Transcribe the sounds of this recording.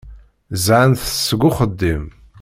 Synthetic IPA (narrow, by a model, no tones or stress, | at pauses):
zʕənθsɡʷʊχəd̪ːim